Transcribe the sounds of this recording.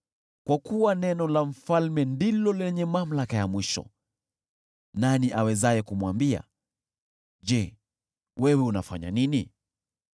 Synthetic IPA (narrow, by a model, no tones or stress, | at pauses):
kwakuwanɛnɔlam̩falmɛndilɔlɛɲɛmam̩lakajamwiʃɔ̰ | naniʔawɛzajɛkumwambia̰ | d͡ʒɛ | wɛwɛuna̰fa̰ɲa̰nini